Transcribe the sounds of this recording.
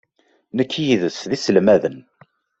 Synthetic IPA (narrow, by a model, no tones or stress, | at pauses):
nəkːjiðəsðisəlmæðən